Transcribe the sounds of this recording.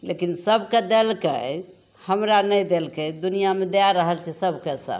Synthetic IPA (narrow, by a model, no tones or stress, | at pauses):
lekinsəbʱked̪elkḛ | həmɾanəjd̪elkəd̪unijamed̪eaɾəɦəlt͡ʃʰɛsəbʱkesə̰